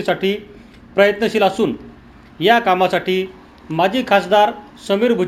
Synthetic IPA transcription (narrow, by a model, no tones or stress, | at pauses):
isaʈiː | pɾəjət̪nəɕiːlasuːn | jakamasaʈiː | mad͡ʑʱiːkʰasd̪aɾ | səmiːɾbʱu